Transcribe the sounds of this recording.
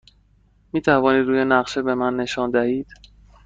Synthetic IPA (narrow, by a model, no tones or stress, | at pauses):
miːt̪ʰævɒːniːd̪ɾuːjenæɢʃebe̞mænːe̞ʃɒːnd̪æhiːd̪̥